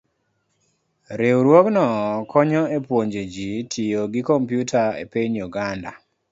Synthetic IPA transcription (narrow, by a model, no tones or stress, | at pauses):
ɾewɾwɔknɔkɔɲɔepwoɲd͡ʒed͡ʒitʰijoɡikɔmpjutʰaḛpeɲjuɡanda̰